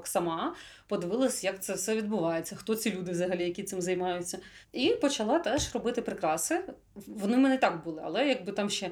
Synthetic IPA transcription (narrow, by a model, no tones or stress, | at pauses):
ksɐmɑ | pɔd̪ɪʋɪlˠɐsʲjɐkt̪sɛfsɛʋʲid̪bʊʋɑjet͡sʲːɐxt̪ɔt͡sʲilʲud̪ɪʋzɐɦɐlʲijɐkʲit̪sɪmzɐjmɑjʊt͡sʲːɐ | ipɔt͡ʃɐlˠɑt̪ɛʃrɔbɪt̪ɪpɾɪkɾɑsɛ | ʋɔnɪmɛnɛt̪ɑkbulˠɪɐ̰lˠɛjɐɡ̚bɨt̪ɑmʃt͡ʃɛ